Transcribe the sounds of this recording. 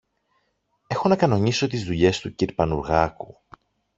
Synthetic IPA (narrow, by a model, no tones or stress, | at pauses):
e̞xo̞nɐkɐno̞ɲiso̞t̪izðuʎe̞st̪uciɾpɐnuɾɣɐku